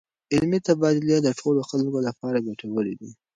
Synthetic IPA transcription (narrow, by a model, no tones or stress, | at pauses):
ɪlmit̪abɑd̪ɪljad̪əʈʰoloxalkolapɑɾaɡaʈʰawəlid̪i